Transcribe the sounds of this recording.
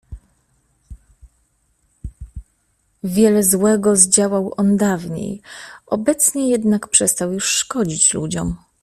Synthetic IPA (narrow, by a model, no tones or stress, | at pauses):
vʲjɛlɛzwɛɡɔzd͡ʑawawʔɔnd̪avɲḛjʔɔbɛt̪sɲɛjɛd̪nakpʂɛst̪awjuʂːkɔd͡ʑit͡ɕlud͡ʑɔ̰m